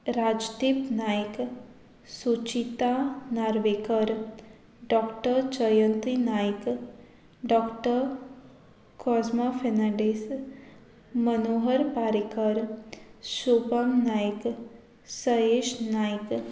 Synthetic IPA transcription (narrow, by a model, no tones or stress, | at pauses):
ɾad͡ʒd̪ipnajk | sut͡ʃit̪anaɾʋekəɾ | ɖɔkʈəɾt͡ʃəjənt̪ɾinajk | ɖɔkʈəɾ | kʰɔzmofʰenaɖis | mənoɦəɾpaɾikəɾ | supəmnajk | səeʃnajk